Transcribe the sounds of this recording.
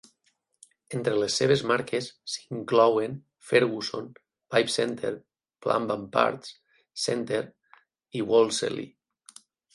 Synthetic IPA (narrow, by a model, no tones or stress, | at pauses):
ent̪ɾelesːeβ̞ezmaɾkesːiŋklɔwen | feɾɣuson | bajpsɛnt̪ʰeɾ | pla̰mbampa̰ɾt̪s | sɛnt̪eɾ | iwolˠsḛlḭ